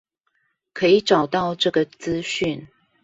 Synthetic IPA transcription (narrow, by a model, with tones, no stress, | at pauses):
kʰɤ˧˦˥i˨˦ʈ͡ʂɑ˨˩ʊt̪ɑ˥˧ʊʈ͡ʂɤ˥˩ɡə˨t͡sɹ̩˦ɕy˥˨n